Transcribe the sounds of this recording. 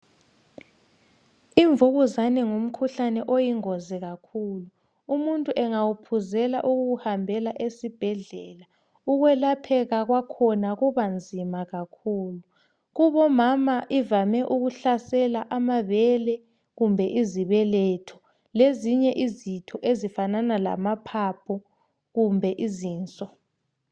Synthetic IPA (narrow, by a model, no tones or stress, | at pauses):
iɱvuɣuzanɛŋom̩kʰuɬanɛʔojiŋɔzɛɣakʰuːlu | umuntʼuʔɛŋawupʰuzɛla̰ʔuɣuɣuhambʱɛlaʔesib̥ʱɛɮɛːla | uɣwɛlapʰɛɣaɣwakʰɔnaɣuβand͡zʱimaɣakʰuːlu | ɣuβɔmamaʔivamɛʔuɣuɬasɛlaʔamaβɛlɛ | ɣumbʱɛʔiziβɛlɛtʰɔ̥ | leziɲɛʔizitʰɔʔezifananala̰mapʰapʰɔ | ɣumbʱɛʔiziːnt͡sʼɔ